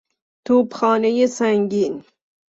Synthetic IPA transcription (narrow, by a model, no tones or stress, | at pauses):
t̪ʰuːpxɑːnejesaŋɡin